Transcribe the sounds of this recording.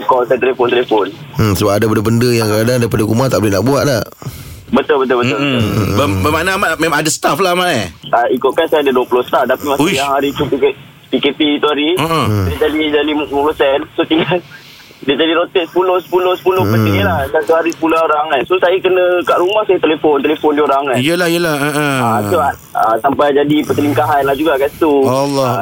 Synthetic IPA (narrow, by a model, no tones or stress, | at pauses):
kɔsat̪əlefʊnt̪əlefʊn̩ | səbap̚adabəndəbəndəjaŋkadadaip̬adakumat̪aʔbolenaʔbuaʔ̪̚la | bət̪ʊlbət̪̬ʊlbət̪ʊlbəbəmanamaʔmẽmãadasə̥t̪aflaɦmaʔeaikʊʔ̪kansajadəduəpulʊhsə̥t̪aft̪apimasjaŋɦaɾit̪upikʔ | pikep̪iit̪uɦaɾiəʔədiad͡ʒadid͡ʒalimumũposɛnsot̪ina | diəd͡ʒadiɾot̪ɪʔsə̥pulʊhsə̥pulohsə̥pulʊhpət̪ɪlahsat̪uɦaɾisəpuloaoɾaŋansosajəkənə̃kaʔɾumahsajət̪elefont̪elefonduoɾaŋaijəlahijəlahəʔəasuaʔ̚ə̰sampajd͡ʒadipəsəliŋkaɦanlahd͡ʒuɡakast̪uɔlɔ